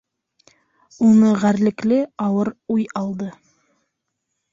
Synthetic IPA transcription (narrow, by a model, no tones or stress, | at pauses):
unɤʁæɾlɘ̆klɘɑlˠɤɾujɑlˠd̪ɤ